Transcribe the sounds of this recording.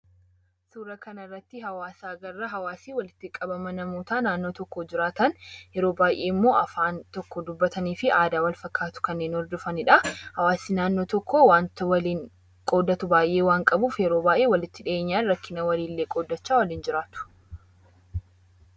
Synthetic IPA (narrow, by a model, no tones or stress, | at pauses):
suːɾɐkɐnɐrːɐt̪ːɪɦɐwaːsaːɡɐrːɐɦɐwaːsiːwɐlɪt̪ːɪkʼɐbɐmɐnɐmuːt̪aːnaːnːo̞ːt̪ɔkːod͡ʒɪɾaːt̪ɐnjɛɾo̞ːbaːjʔe̞ːɪmːo̞ːʔɐfaːnt̪ɔkːɔd̪ʊbːɐt̪ɐniːfɪʔaːd̪aːwɐlfɐkːaːt̪ʊ̥kɐnːe̞ːnɔɾd̪ʊfɐnɪᶑɐhɐwaːsiːnaːnːoːt̪ɔkːowaːnt̪wɐliːŋ | kʼo̞ːd̪ɐt̪ʊbaːjʔe̞ːwaːŋkʼɐbuːfjɛɾo̞ːbaːjʔeːwɐlɪt̪ːɪᶑe̞ːɲːaːnɾɐkːɪnɐwɐliːlːeːkʼoːd̪ːɐt͡ʃːaːwɐliːnd͡ʒɪɾaːt̪ʊ̥